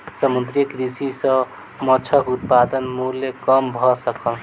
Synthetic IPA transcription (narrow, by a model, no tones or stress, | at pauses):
səmud̪ɾikɾisisə̃ | mɔt͡ʃʰəkut̪̚pad̪ənmulːekəmbʱɔsəkəl